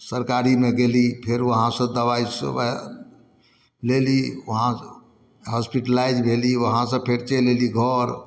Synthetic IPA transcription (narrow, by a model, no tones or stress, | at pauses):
səɾkaɾimeɡelipʰeɾʋəɦãsə̃d̪əʋais | leliʋəɦã | ɦɔspiʈəlajd͡ʒbʱeliʋəɦãsə̃pʰeɾt͡ʃeleliɡʱɔɾ